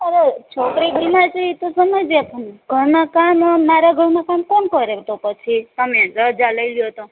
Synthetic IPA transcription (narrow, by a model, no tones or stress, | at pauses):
əɾet͡ʃʰokɾidimad͡ʒiit̪osəməjd͡ʒepʰunɡʱəɾnakammaɾaɡʱəɾmakamkonkʌɾet̪opət͡ʃʰit̪əmẽɾəd͡ʒaləjljot̪o